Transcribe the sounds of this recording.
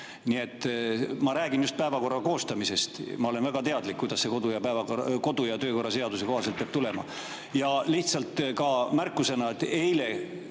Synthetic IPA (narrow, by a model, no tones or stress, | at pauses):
nie̞t̪ːˑmɑɾæːɡ̥injust̪̚pæevɑko̞rːɑko̞ːst̪ɑmise̞st̪mɑole̞nvæɡ̥ɑt̪e̞ɑd̪likːujd̪̥ɑsse̞ko̞d̪ujɑpæevɑko̞d̪ujɑt̪øːko̞rːɑse̞ɑd̪use̞ko̞hɑselt̪̚peːb̥̚t̪ule̞mɑ̰ | jɑliht̪sɑlt̪kɑmærkːˑuse̞nɑet̪ːˑe̞jle̞